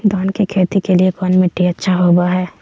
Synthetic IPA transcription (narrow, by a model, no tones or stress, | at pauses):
d̪ɔːnkikʰeːt̪ikeliekɔːnmeʈiɐtːʃʰaɦoːbaɦɛː